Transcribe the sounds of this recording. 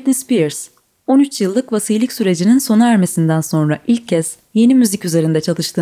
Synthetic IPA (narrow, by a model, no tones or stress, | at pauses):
t̪nispiɾs | o̞nyt͡ʃjɯlˠːɯkvasɯjlʲˠicsyɾe̞d͡ʒininso̞naæɾme̞sind̪ænso̞nɾaʔilʲcʰːɛz̥ | je̞nimyzicyze̞ɾind̪ɛt͡ʃʰalˠɯʃt̪ʰɯː